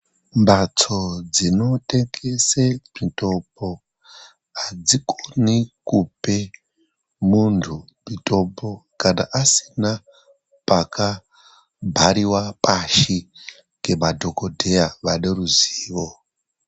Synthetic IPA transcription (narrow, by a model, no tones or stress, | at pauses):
mbat͡so̞d͡zino̞teŋɡesemito̞po | ad͡zikonikupe | muntʰu | mito̞po̞kana̰ʔasi̥na | paka | bʱaɾiwapaʃi | ŋɡe̞madʱo̞kodʱe̞jaʋaneruziːʋo